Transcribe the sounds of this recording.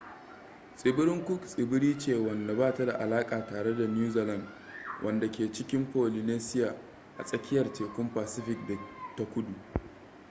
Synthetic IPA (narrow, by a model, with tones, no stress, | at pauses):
sʼɪ˨bɪ˦ɾɪ˦ŋkʷʊ˦ksʼɪ˨bɪ˦ɽiː˦t͡ʃeː˦˨wɐ˨nda˨baː˦˨ta˦da˨ʔa˨laː˦kʼaː˨taː˨ɽe˦da˨n˦uː˦zeː˨lɐ˦˨nd | wʔɐ˦˨nda˨kʲeː˨t͡ʃɪ˦kʲɪ˦mpoː˨li˨neː˦sɪ˦jaː˨ | ʔa̰˨sʼɐ˦kʲɪ˦jɐ˨rteː˨kʷʊ˦mpaː˨sɪ˦ɸɪ˦k̚da˨ta˦kʷʊ˦du˨ʔ